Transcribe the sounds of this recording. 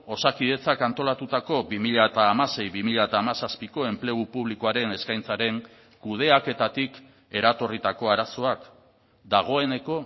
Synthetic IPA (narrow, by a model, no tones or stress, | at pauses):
o̞sakiðe̞t͡sakant̪o̞lat̪ut̪ako̞βimiʎaet̪aːmase̞jβimiʎaet̪aːmasaspiko̞e̞mple̞ɣupuβ̞likoaɾe̞ne̞skajnt͡saɾe̞ŋ | kuð̞e̞ake̞t̪at̪ik | e̞ɾat̪o̞rit̪ako̞aɾaso̞ak | d̪aɣ̞o̞e̞ne̞ko̞